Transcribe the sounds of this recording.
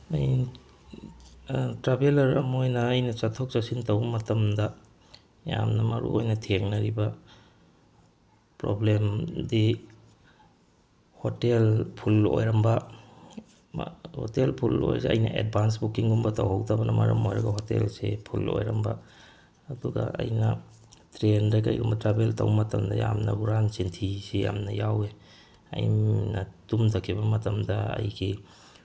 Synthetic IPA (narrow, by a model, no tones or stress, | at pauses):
aj | tɾabelɐɾɐmojnɐːjnɐt͡ʃatʰɔk̚t͡ʃasintawbmɐtɐmdɐ | ja̰mnɐmɐɾṵʔojnɐtʰeŋnɐɾiba | pɾoblemdi | hotelpʰulo̰jɾɐmbɐ | hotelpʰulo̰jseɐjnɐ̰ʔed̚bʱans̬bukiŋɡumbɐtʰawɦawtʰabɐnʔɐmɐɾɐmojɾɐɡɐɦotelsepʰulo̰jɾɐmbɐː | duɡa̰ʔɐjnɐ | tɾendaka̰jɡumbɐtɾabeltʰawmɐtɐmdɐjamnɐuɾansintʰiseja̰mnɐjawe | ɐ̰jnatumtʰakʰibɐmɐtɐmdɐɐ̰jɡʰi